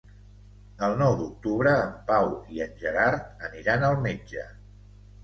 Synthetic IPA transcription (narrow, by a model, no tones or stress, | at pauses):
əlˠnɔwd̪uk̚t̪uβɾəːmpawiənʲʒəɾaɾt̪̚əniɾanəlˠmed͡ʒə